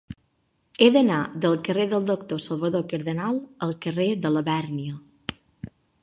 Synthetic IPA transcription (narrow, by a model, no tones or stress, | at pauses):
eðənaðəlˠkəreðəlˠd̪okt̪osəlˠβəðokəɾðənalˠəlˠkəred̪ələβɛrniə